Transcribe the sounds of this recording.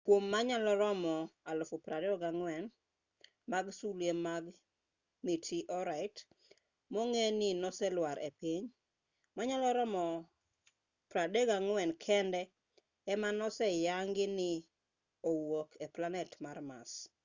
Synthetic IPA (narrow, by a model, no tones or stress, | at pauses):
kwomːaɲalɔɾɔmɔalʊfopɾadɛɔɡaŋwɛn | maɡsulemaɡ | mitʰiʔɔɾaɪt | moŋenɪnɔsɛlwaɾʔepiɲ | maɲalɔɾɔmɔ | pɾadɛɡaŋwɛnkʰɛndɛ | ɛmanɔsɛjaŋɡɪnɪ | owokʰeplanɛtmarma̰s